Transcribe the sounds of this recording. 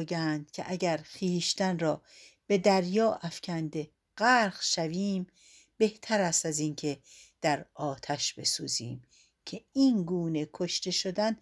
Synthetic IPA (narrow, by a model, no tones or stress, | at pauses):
ɡænd̪̥̚cʲʰḛʔæɟæɾxiːʃt̪ænɾɒː | b̥e̞d̪æɾjɒːʔæfcʲʰænd̪e̞ | ɢæɾχʃæviːm | b̥e̞ht̪ʰæɾæst̪æziːnkʰe̞d̪̥æɾɒːt̪ʰæʃb̥e̞suːzḭːm | cʰe̞iːnɡuːne̞kʰoʃt̪e̞ʃod̪æn